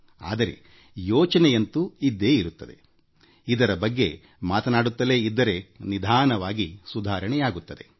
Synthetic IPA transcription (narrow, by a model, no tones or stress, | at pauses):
a̰ːd̪ɐɾe̞̰ | jɔːt͡ʃɐnejɐnt̪uid̪ːe̞ːiɾut̪ːɐd̪e̞̰ | id̪ɐɾɐbɐɡːe̞ | maːt̪ɐnaːɽut̪ːɐle̞ːid̪ːɐɾe̞nid̪ʱaːnɐʋaːɡisud̪ʱaːɾɐɳɛjaːɡut̪ːɐd̪e̞̰